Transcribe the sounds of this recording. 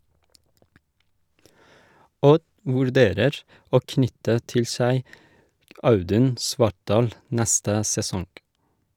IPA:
ˈɔd ʋʉɾˈdeːɾəɹ ˈoː ˈknʏtə ˈtɪl ˈsæɪ ˈɑʉˌdʉn ˈsʋɑʈˌɖɑːl ˈnæstə sɛˈsɔŋ

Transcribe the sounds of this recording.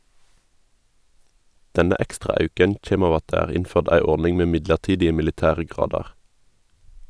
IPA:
ˈdɛnə ˈɛkstʁɑ ˈɑʉkən ˈçeːm ˈɑː ˈɑt ˈdæː ˈæːʁ ˈɪnføːʁd ˈæɪ ˈɔʁnɪŋ ˈmeː ˈmɪdləʁˌtiːdɪə mɪlɪˈtæːʁə ˈɡʁɑːdɑʁ

